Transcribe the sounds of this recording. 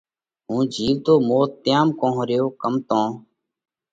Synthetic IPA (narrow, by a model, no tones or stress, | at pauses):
ɦũːd͡ʒʱiːʋt̪oːmoːt̪ːɪjaːmkõːɦɾɪjoːkəmt̪õː